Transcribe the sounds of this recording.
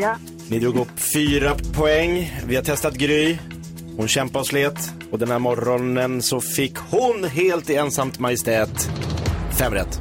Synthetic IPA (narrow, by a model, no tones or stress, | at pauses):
nɪd̪ɾuːɡɵpːfyːɾapʰɔɛŋːvɪhat̪ʰɛst̪at̪̚ɡɾyː | hʊnɕɛmpaɔsfleːt̪ | ɔd̪ɛnhæːɾmɔɾɔnənsɔfɪkːhʊnɦeːlt̪eːnsamt̪majɪst̪ɛːt̪ | fɛmɾɛ̰t̪ː